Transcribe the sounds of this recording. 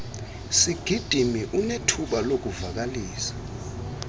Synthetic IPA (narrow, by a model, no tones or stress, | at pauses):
siɡ̥ʱid̥ʱimiʔunetʰuɓalok̬ʼuvak̬aliːsḁ